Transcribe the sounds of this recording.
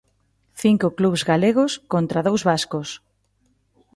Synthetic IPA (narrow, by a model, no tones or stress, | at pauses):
θiŋkʊkluβzɣaleɣ̞ʊskont̪ɾaðowzβaskʊs